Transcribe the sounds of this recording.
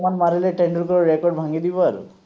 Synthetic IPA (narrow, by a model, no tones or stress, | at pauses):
manmaɾileʈeɳɖəɾkɔɾɾekɔɾɖbʱaŋɡid̪ibaɾ